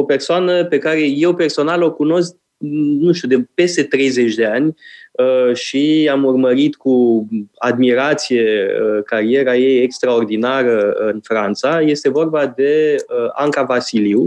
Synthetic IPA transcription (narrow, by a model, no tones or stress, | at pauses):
o̞pe̞rsoanəpe̞kaɾe̞je̞wpe̞rso̞nalo̞kuno̞sk̚ | nũnʃt̪ud̪e̞pe̞st̪e̞t̪ɾe̞jze̞t͡ʃʲd̪e̞anʲəʃiamurməɾit̪kuad̪miɾat̪sije̞əkaɾie̞ɾaje̞jekst̪ɾao̞rd̪inaɾəɨnfɾant̪saje̞st̪e̞vo̞rbad̪e̞əa̰ŋkavasiliw